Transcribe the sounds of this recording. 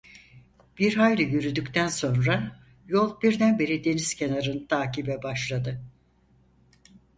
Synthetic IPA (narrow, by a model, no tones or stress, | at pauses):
b̥iɾɦajlʲɯjyɾyd̪ycʲt̪ʰænso̞nɾa | jo̞lˠbiɾd̪ænbe̞ɾid̪e̞niz̥cʰe̞naɾɯnt̪ʰaːcibɛbaʃlˠad̪ɯ